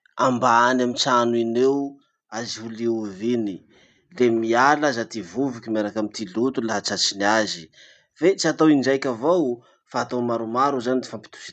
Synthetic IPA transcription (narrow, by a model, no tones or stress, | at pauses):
ambaanamit͡sanuinew | aziɦuliuvini | lemialazat̪ivuvikʲimaɾakamit̪ilut̪ulaɦat͡ʃat͡ʃiniazi | vet͡siat̪owiɳd͡ʒajkʲavow | faːt̪omaɾumaɾuzanid̪i̥fampi̥t̪u̥ʃi̥